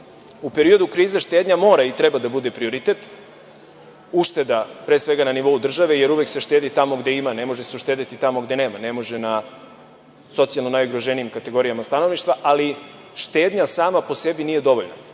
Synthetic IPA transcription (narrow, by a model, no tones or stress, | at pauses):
upe̞ɾio̞d̪ukɾiːzaʃt̪e̞ːd̪ɲamo̞ːɾait̪ɾebad̪abud̪e̞pɾio̞ɾit̪e̞t̪ | uʃt̪e̞d̪apɾesʋe̞ɡananiʋo̞ud̪r̩ʒaʋe̞je̞ɾuʋe̞kse̞ʃt̪eːd̪it̪amo̞ɡd̪eimane̞mo̞ʒeseuʃt̪eːd̪it̪it̪amo̞ɡd̪e̞ne̞ːmane̞mo̞ʒena | so̞t̪sialno̞najuɡɾoʒeniimkat̪e̞ɡo̞ɾijamast̪ano̞ʋniʃt̪vʋaʔali | ʃt̪eːd̪ɲasaːmapo̞se̞biniːje̞d̪o̞ʋo̞̰ʎna̰